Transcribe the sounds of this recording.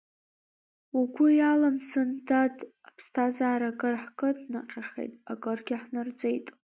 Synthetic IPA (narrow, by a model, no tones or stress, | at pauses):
aɡʷʊjalamsɨndadʰʼapʰstʰazaːɾakʼɨrħkʼɨdnɨqʲʼaχḛjtʼakʼɨrɡʲɪħnɨrd͡zʼe̞jtʼ